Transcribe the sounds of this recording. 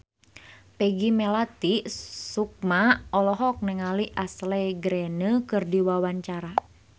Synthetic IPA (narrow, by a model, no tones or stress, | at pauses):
pɛɡimɛlat̪isuk̚maɔlɔɦɔk̚nɛŋaliʔaslɛɡɾɛnəkɨrdiwawaɲt͡ʃaɾa